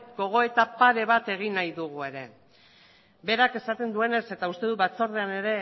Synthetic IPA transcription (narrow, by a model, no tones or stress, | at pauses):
ɡo̞ɣ̞o̞e̞t̪apaɾe̞βat̪e̞ɣ̞inajðuɣ̞ue̞ɾe̞ | be̞ɾake̞sat̪e̞nd̪ue̞ne̞se̞t̪aust̪e̞ð̞uβat͡soɾðeane̞ɾe̞